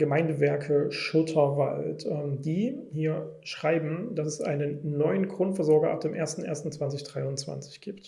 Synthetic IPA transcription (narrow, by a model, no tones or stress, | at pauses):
ɡ̥əmaɪndəvɛɐkʰəʃʊtʰɐva̰ltɛmdiːhiːɐʃʁ̥aɪbm̩d̥asɛsʔa̰ɪnənːɔʏənɡʁ̥ʊntfɛɐzɔɐɡɐʔa̰p̚d̥eːmʔeːɐstn̩ʔḛɐstn̩t͡sv̥ant͡sɪçd̥ʁaɪʊnt͡sv̥a̰nt͡sɪ̥çɡ̥iːpt